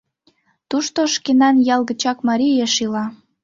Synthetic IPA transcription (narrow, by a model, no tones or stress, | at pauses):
t̪uʃt̪oʃkenɑnjɑlˠɣə̆t͡ɕɑkmɑɾijeʃilɑ